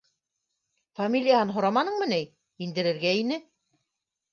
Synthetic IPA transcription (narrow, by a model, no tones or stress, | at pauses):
famʲilʲɪjaɦɑnɦŏɾɑmɑnɤɴmɘ̆nɘj | ind̪ɘ̆ɾɘ̆ɾɡæinɘ